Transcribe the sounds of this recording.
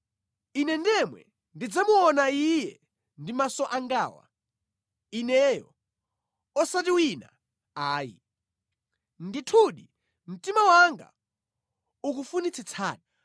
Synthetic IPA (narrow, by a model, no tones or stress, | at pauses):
inɛndɛmwɛ̰ | ndid͡zamuɔnaijɛ | ndimasɔʔaŋɡaːwa̰ | inɛjɔ̰ | ɔsatiwina̰ | aːjḭ | nditʰuɗi | m̩timawaŋɡa̰ | uk̬ufunit͡sʰit͡sʰa̰ːɗa